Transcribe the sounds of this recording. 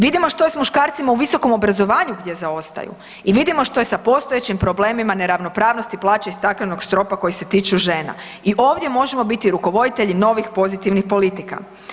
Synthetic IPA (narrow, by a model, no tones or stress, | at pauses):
ʋid̪imo̞ʃt̪o̞jesmuʃkaːɾt̪simauʋiso̞ko̞mo̞bɾazo̞ʋaːɲuɡd̪ʲje̞zao̞st̪a̰jṵ | iʋid̪imo̞ʃt̪o̞jesapo̞st̪o̞je̞t͡ɕimpɾo̞ble̞ːmimane̞ɾaʋno̞pɾaːʋnost̪iplˠaːt͡ɕaist̪aklano̞ɡst̪ɾo̞pako̞jise̞t̪iːt͡ʃuʒeːna̰ | iʔo̞ːʋd̪je̞mo̞ʒemo̞bit̪iɾuko̞ʋo̞d̪it̪e̞ʎino̞ʋixpo̞zit̪iʋnixpo̞lit̪ika̰